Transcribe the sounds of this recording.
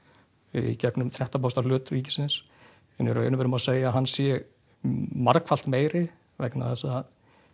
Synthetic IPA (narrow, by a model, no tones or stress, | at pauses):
icɛknʏmt̪ʰɾɛht̪ap̬awst̪alʏːt̪riːcɪ̥sɪns | ɛnɛɾœ̰ːɥnʏvɛɾʏmaðseːjaɦanːsjɛ | maɾkfal̥t̪meːjɾɪ | vɛkna̰ðθɛsaað